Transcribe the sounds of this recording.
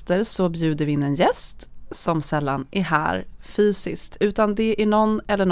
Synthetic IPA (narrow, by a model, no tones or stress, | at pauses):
t̪əɾsɔbjʉ̟ːd̪əɾvɪɪnːɛnjɛst̪sɔmsɛlːa̰nʔæɾɦæ̰ːɾfyːsɪ̰skt̪ʉ̟ːt̪and̪ɛʔæɳɔnːɛlːəɳ